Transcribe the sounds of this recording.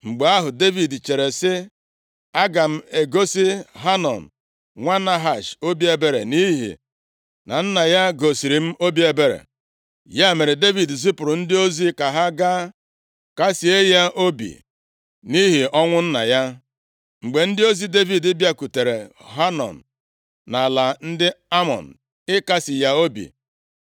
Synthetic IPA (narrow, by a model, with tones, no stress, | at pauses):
ŋ͡m̩˨ɡ͡be˨a˦ɦʊ˨de˦vi˨dt͡ʃe˨ɾe˨sɪ˦ | a˦ɡa˨m̩˨e˨ɡo˦si˦ɦa˦nɔ̰˨n̩˨ | ŋʷa˦na˦ɦa˨ʃo˦bi˦e˦be˦ɾḛ˨ni˦ɦḭ˨ | na̰˨n̩˦na˨ja˦ɡo˨si˨ɾi˨m̩˦o˦bi˦e˨be˦ɾḛ˨ | ja˦˨me˨ɾe˨de˦vi˨dzi˦pʊ˨ɾʊ˨n̩˦dɪ˦o˦zi˦ka˨ɦa˦ɡa˦ | ka˦si˨e˦ja˦ʔo˦bḭ˨ | ni˦ɦi˨ɔ˦ŋʷʊ˦n̩˦na̰˨ja˦ | ŋ͡m̩˨ɡ͡be˨n̩˦dɪ˦o˦zi˦de˦vi˨dɪ˦bja˦ku˨te˨ɾe˨ɦa˦nɔ̰˨n̩ː˨ | na˨la˨n̩˦dɪ˦a˦mɔ̰˨n̩˨ | ɪ˦ka˦sɪ˨ja˦o˦bḭ˨